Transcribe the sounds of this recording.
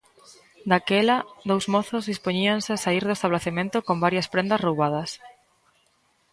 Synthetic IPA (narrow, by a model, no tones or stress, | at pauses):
d̪akɛlɐdðowzmɔθozðispoɲiaŋsɪasaiɾðʊest̪aβ̞laθemẽnt̪okombaɾjɐspɾend̪ɐsrowβað̞ɐs